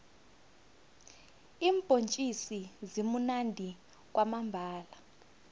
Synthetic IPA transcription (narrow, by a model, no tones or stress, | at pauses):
iːmb̥ʼʱont͡ʃʼisizimunandʱi | k̬ʼwʔamambʱaːla